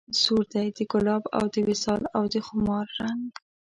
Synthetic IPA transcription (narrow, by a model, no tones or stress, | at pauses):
zuɾd̪ajd̪əkʊlɑba̰wd̪əwɪsɑlawd̪əxʊmɑɾːaŋɡ